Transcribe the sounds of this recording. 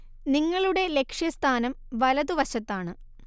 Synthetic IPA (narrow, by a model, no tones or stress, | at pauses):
niŋːɐɭuɽe̞le̞kʂjɐst̪ʰaːnɐm | ʋɐlɐðuʋɐɕɐt̪ːaːɳɨ